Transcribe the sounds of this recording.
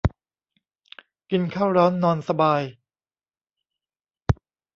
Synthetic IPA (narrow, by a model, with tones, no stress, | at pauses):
ki˧nkʰaː˥˩wɾɔː˦˥nːɔː˧nsa˧baː˧j